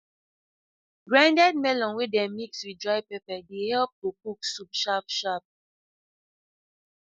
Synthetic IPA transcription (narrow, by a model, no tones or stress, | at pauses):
ɡɹãndɛd̚mɛlɔ̃nwedɛ̃mikswidɹajpɛpɛdehɛlp̚tokuksupʃapʃap̚